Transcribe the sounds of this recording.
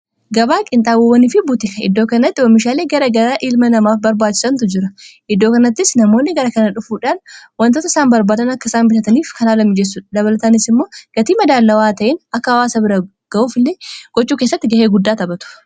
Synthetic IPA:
ɡɐbaːkʼɪnt̪ʼaːwowɐniːfɪbʊt̪ɪkɐɪ̰d̪ːoːkɐnɐt̪ːɪɔmːɪʃ̬aːleːɡɐɾɐɡɐɾaʔɪlmɐnɐmaːfbɐɾbaːt͡ʃːɪ̥sɐnt̪ʊd͡ʒɪɾɐ | ɪd̪ːo̞ːkɐnɐt̪ːɪsnɐmo̞ːnːɪɡɐɾɐkɐnɐᶑʊfuːᶑaːnwɐnt̪oːt̪ɐɪ̥saːnbɐɾbaːd̪ɐnɐkːɐɪsaːnbɪt̪ɐt̪ɐniːfkɐnaːlɐmːɪd͡ʒɛs̬ːʊd̪ɐbɐlɐt̪ɐnɪsɪmːoːɡ̥ɐt̪iːmɐd̪aːlːɐwaːt̪ɐʔɪnɐkːɐɐwaːsɐbɪɾɐ | ɡ̥ɐʔuːfɪlːeːɡ̥ɔt͡ʃːuːkeːsːɐt̪ːɪɡɐheːɡʊd̪ːaːt̪ɐbɐt̪ʊ̥

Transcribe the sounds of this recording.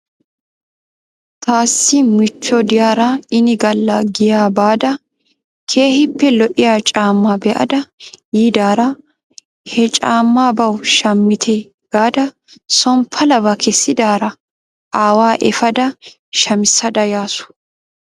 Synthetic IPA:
t̪aːsːɪmɪt͡ʃːɔd̪ɪjaːɾɐɪnɪɡɐlːɐɡɪjaːbaːd̪ɐ | kʰeːhɪpːɛlɔʔɪjaːt͡ʃʼaːmːabɛʔɐ̰d̪ɐjiːd̪aːɾɐ | hɛt͡ʃʼaːmːaːbɐwʃɐmːɪt̪ʰɛ | ɡ̥aːd̪ɐ | sɔmpʰɐlɐbɐkʰɛsːɪd̪aːɾɐ | ʔaːwaːʔɛfɐd̪ɐ | ʃɐmɪsːɐd̪ɐjaːsʊ̥

